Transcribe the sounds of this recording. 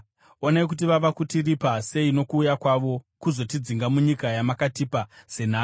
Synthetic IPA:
o̞naek̬ut̬iʋaʋakutiripase̞ino̞kuːjakwaʋo̞ | kuzo̞tid͡ziŋɡamuɲikajamakatiːpase̞naː

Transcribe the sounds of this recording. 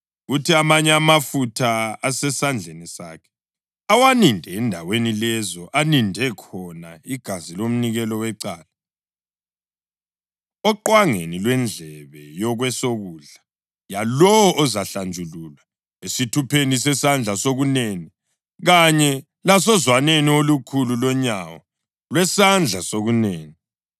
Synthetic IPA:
ɣutʰiamaɲɛamafutʰaːsɛsand͡ɮʱenisa̰ːkʰɛ̥ | awanindʱɛːndʱawenilɛzɔʔanindʱɛkʰɔnaiɡ̥ʱazilom̩niɣɛlɔwɛǀaːla | ɔǃwaŋenilwɛnd͡ɮʱɛβɛjɔɣwɛsoɣuːɮa | jalɔwɔʔɔzaɬand͡ʒʱululwa | esitʰupʰenisɛsand͡ɮʱasoɣuneːni | ɣaɲɛ | las̬ɔzwaneniolukʰululɔɲawɔ | lwɛsand͡ɮʱasoɣuneːni

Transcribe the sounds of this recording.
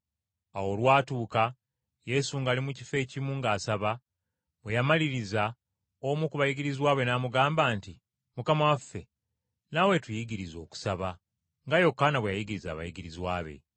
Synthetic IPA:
awo̞lwaːtuːka | je̞suŋɡaːlimuci̥fe̞ːcimuŋɡaːsaβa | βwe̞jamaliɾiza | omukuβajiɡiɾizwaːβwe̞naːmuɡaːmbaːnti | mukamawafːe̞ | nawe̞tujiɟiɾizo̞̰ːku̥saβa | ŋɡajo̞kːanaβwejajiɡiɾiza̰ːβa̰jiɡiɾizwa̰ːβḛ

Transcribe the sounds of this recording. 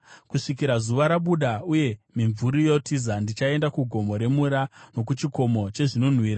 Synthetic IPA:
kuʂikiɾazuʋaɾaɓuɗauje̞miɱvuɾijo̞tʰizandit͡ʃae̞ndakuɡʱo̞mo̞ɾe̞muɾano̞kut͡ʃiko̞mo̞t͡ʃe̞ʐino̞n̤wiːɾa

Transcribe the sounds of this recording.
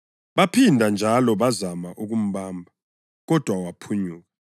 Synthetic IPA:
ɓapʰindʱand͡ʒʱalɔβazamaʔuɣ̬um̩ɓaːmbʱa | ɣ̬ɔd̥ʱwawapʰuɲuːk̬a

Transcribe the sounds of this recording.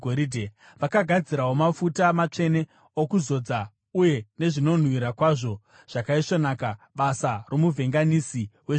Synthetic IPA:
oɾidʱe | ʋakaɡʱad͡ziɾaɦo̞mafutamat͡ʂe̞ne̞ | okuzo̞d͡za | uje̞ne̞ʐino̞n̤wiɾakwaʐo̞ | ʐ̥akaiʂonaːkaɓasaro̞muvʱe̞ŋɡanisiwe

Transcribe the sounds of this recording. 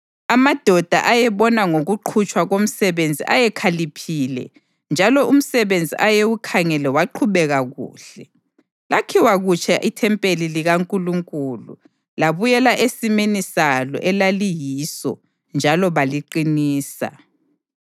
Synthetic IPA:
amad̥ʱɔd̥ʱa̰ʔajɛβɔnaŋoɣuǃʰut͡ʃʼwaɣom̩sɛβend͡zʱiʔajɛkʰalipʰilɛ̰ | nd͡ʒʱalɔʔum̩sɛβend͡zʱiʔajewukʰaŋɛlɛwaǃʰuβɛɣaɣṵːɬɛ | lakʰiwaɣut͡ʃʼʰaʔitʰɛmpʼeliliɣaŋkʼuluŋkʼulṵ | laβujɛlaʔesimenisalɔ̰ʔɛlalijisɔ̰ | nd͡ʒʱalɔβaliǃiniːsa̰

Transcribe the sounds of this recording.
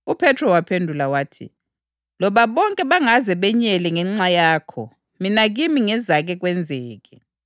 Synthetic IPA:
upʰɛtʰrɔwapʰendʱulawaːtʰḭ | lɔβaβɔŋkʼɛβaŋazɛβɛɲɛlɛŋɛŋ͡ǀajaːkʰɔ̰ | minaɣimiŋɛzaɣ̬ɛɣ̬wɛnd͡zʱɛːɣ̬ɛ

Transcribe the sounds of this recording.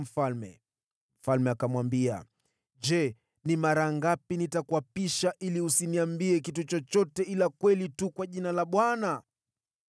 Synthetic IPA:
m̩falmɛ̰ | m̩falmɛakamwambia̰ | d͡ʒɛ | nimaɾaŋɡapinitakuapiʃaʔiliusiniambiɛkitut͡ʃɔt͡ʃɔtɛilakwɛlitukwaʄinalaɓwana

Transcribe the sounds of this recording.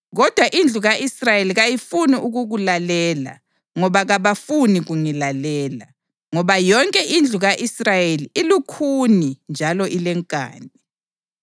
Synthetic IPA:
ɣɔd̥ʱwaʔind͡ɮʱuɣaʔisrajeliɣajifuniʔuɣuɣulalɛːla̰ | ŋɔβaɣaβafuniɣuŋilalɛːla | ŋɔβajɔŋkʼɛʔind͡ɮʱuɣaʔisrajeliilukʰunind͡ʒʱalɔʔilɛŋkʼa̰ːni

